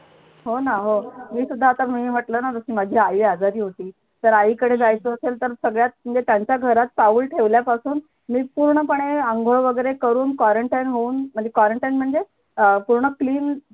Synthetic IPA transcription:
ɦonaɦomiːsud̪ʱːaːt̪amiːʋ̤əʈlənat̪əsiːmad͡ʑʱiːaiʋead͡zaɾiːɦot̪iː | t̪əɾaiːkəɽed͡zajt͡səːselt̪əɾsəɡɭjat̪̚m̤əɳd͡zet̪jaɲt͡ɕjaɡʱəɾat̪̚paʋuːlʈʰeʋljapasuːn | miːpuɾɳəpəɽ̃eəŋɡʱoɭʋəɡəjɾekəɾuːnkwʋaɾəɳʈajnɦouːnm̤əɳd͡zekʋaɾəɳʈajnm̤əɳd͡ze | əpuɾɳəkliːn

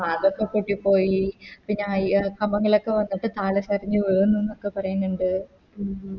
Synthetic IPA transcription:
aːðokːekːoʈːipːo̞ːjipiɲːeaːjkɐmɐŋːɐɭo̞kːe̞ʋɐnːiʈːɨt̪aːɭɐɕɐrɐɲːɨʋeɻunːuenːokːe̞pɐrɐjunːuɳɖɨ

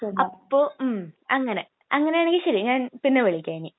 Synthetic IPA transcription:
ɐpːoːmɐŋːɐne | ɐŋːɐnejaːneŋɡiɕɐɾiɲaːnpinːeʋeɭikʲːaːni

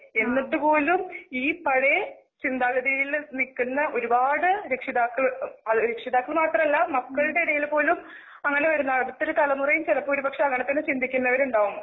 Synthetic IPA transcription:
e̞nːɐʈːɨpo̞ːlumiːpɐɽe | t͡ɕind̪aːlɐðijilnikːunːɐʔo̞ɾubaːɽɨɾekʂiðaːkːɐɭɐðɨɾekʂiðaːkːɐɭmaːt̪rɐmɐlːɐmɐkːɐɭɨɽe̞iɽɐjilpo̞ːlum | ɐŋːɐne̞ʋɐɾunːɐɐðɐt̪ːoɾukɐlɐmurɐjumt͡ɕelɐpːoːɾupɐkʂɐɐŋːɐɳet̪ːɐnːɨt͡ɕind̪ʱikʲːunːɐʋɐɾuɳɖaːʋunːɐ

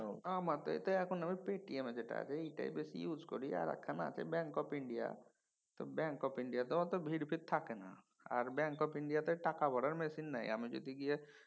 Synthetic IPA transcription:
ãmaɾt̪ɔ̰ḛt̪ɔɛkunamepeʈiemed͡ʒeʈa̰t͡ʃʰeiʈa̰ibesijuːd͡ʒkɔ̰ɾia̰ɾa̰kʰːana̰ːt͡ʃʰḛbɛ̃ŋkɔpɪɳɖija̰ | t̪ɔbɛ̃ŋkɔpɪ̃ɳɖijat̪ɔt̪ɔbʱiɽpʰiɾt̪ʰːakena̰ | a̰ɾbɛ̃ŋkɔpɪ̃ɳɖijat̪ɔʈakabɔɽəɾmɛsinːa̰ːḭamed͡ʒo̰d̪iɡie

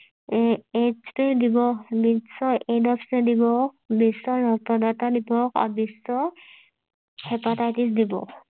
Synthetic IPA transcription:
espedibɔbisɔedɔpʰsɛdibɔkbisɔɹɔk̚tɔdatadibɔka̰bisɔ | hɛpatajtis̬dibɔ̰

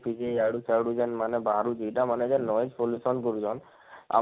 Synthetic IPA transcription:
pʰid͡ʒeaɽut͡ʃaɽud͡ʒɛnmanɛbaɦɾud͡ʒiʈamanɛd͡ʒɛnɔjd͡ʒpolusɔnkoɾid͡ʒɔn | a̰

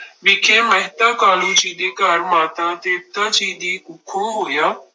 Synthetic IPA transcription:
ʋɪkʰeməɦt̪akaːlũːt͡ʃiːd̪ekaːɾmaːt̪ãːt̪eːt̪ət͡ʃiːd̪iːʔʊkʰõːɦoːjaː

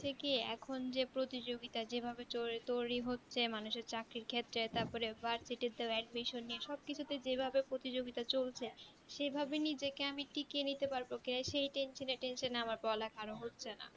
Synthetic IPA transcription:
ekeɛ̰kʰond͡ʑepɾot̪id͡ʑoɡit̪ad͡ʑebʱabet͡ɕot̪ojɾiɦotːɕʰemanuʃeɾt͡ɕakɾiɾkʰet̪ːɾet̪aɾpɔɾebaɾsiʈed̪eoɛɖmiʃonːieʃɔb̚kit͡ɕʰut̪ed͡ʑebʱabepɾot̪id͡ʑoɡit̪at͡ɕolt͡ɕʰe | ʃebʱabenid͡ʑekeamiʈikenit̪epaɾbokiajʃejʈenʃoneʈenʃoneamaɾpɔlakʰaɾoɦotːɕʰena̰

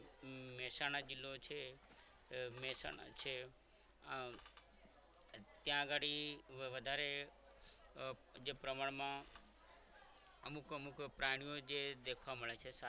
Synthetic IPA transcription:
mɛsañad͡ʒilːot͡ʃʰe | mɛsa̰na̰t͡ʃʰe | t̪jãɡaɽiʋəd̪ʱaɾe | d͡ʒepɾəmaɳmã | əmukəmukpɾaɽ̃ijod͡ʒed̪ekʰʋaməɭet͡ʃʰesa

